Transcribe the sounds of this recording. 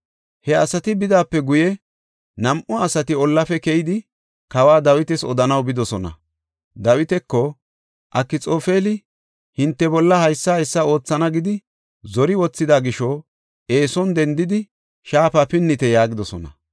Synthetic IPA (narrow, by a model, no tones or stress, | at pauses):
hɛɐsɐt̪ɪbɪd̪aːpːɛɡʊjɛ | nɐmʔʊɐsɐt̪ɪɔlːɐfɛkɛjɪd̪ɪ | kɐwaːd̪ɐwɪt̪ɛsɔd̪ɐnɐwbɪd̪ɔsɔnɐ̰ | d̪ɐwɪt̪ɛkːɔ | ʔɐkːɪt͡sʼoːfeːlɪ | hɪnt̪ːɛbɔlːɐhɐjsːɐjɛsːɐo̞ːt͡sːɐnɐɡɪd̪ɪ | zɔɾɪwɔt͡sːɪd̪aːɡɪʃɔ | e̞ːsɔnd̪ɛnd̪ɪd̪ɪ | ʃaːfaːpɪnːɪt̪ɛjaːɡɪd̪ɔsɔnɐ̰